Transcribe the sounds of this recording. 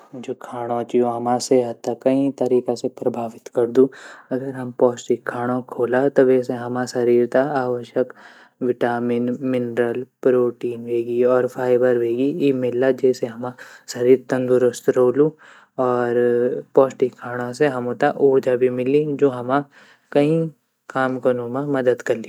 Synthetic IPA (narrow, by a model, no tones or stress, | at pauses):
d͡ʒoːkʰaːɽ̃õt͡ʃiõɦɐmãseɦɐt̪ːakɐĩt̪ɐɾiːkasepɾɐbʱaːʋɪt̪kɐɾd̪uːɐɡəɾɦɐmpɔːsʈɪkʰːaːɽ̃õkʰoːlat̪oʋɛːs̬eɦɐmãsɐɾiːɾt̪aaːʋəʃjək | ʋɪʈaːmɪnmɪnɾəlpɾoːʈiːnʋeːɡiɔːɾfʰaːɪbəɾʋeːɡiimɪlːad͡ʒɛːseɦɐmãsɐɾiːɾt̪ɐ̃nd̪ʊɾəst̪ɾoːlu | ɔːɾpɔːsʈɪkʰːaːɽ̃ãseɦɐmõt̪aʔoːd͡ʒabʱimɪlid͡ʒoːɦɐmã | kɐɦĩ | kaːmkɐnõmãmɐd̪əd̪kɐɾli